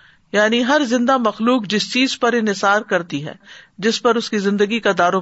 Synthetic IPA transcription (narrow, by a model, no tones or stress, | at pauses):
jaːniɦɐɾzɪ̃nd̪amɐxluːkd͡ʒɪst͡ʃiːzpɐɾɪ̃nɦɪsaːɾkɐɾt̪iɦɛ̰ːd͡ʒɪspɐɾʊskizɪ̃nd̪əɡikad̪aːɾo